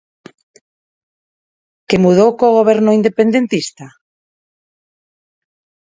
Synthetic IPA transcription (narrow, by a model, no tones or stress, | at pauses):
kemuð̞owkoɣ̞oβ̞ɛɾnoind̪epend̪ẽnt̪ist̪a